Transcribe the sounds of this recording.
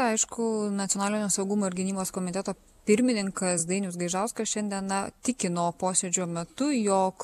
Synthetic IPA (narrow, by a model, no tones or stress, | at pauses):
ɐɪʃkʊnɐt̪ʲɪoɔnɑːlʲɪnʲoːsɐʊɡumoːɪɾɡʲɪnʲiːboːskoːmʲɪt̪ʲɛt̪oː | pʲɪɾʲmʲɪnʲɪŋkɐsd̪ɐɪnʲʊs̬ɡɐɪʒɐʊskɐsʃʲɛnʲd̪ʲiɛnɐt̪ʲɪkʲɪnoːpoːsʲeːd͡ʒʲoːmʲɛt̪ʊjoːk